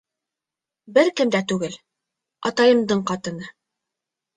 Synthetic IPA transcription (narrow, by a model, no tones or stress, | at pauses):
bɘɾkɘ̆md̪æt̪ʉɡɘl | ɑt̪ɑjɤ̆md̪ɤɴqɑt̪ɤ̆nɤ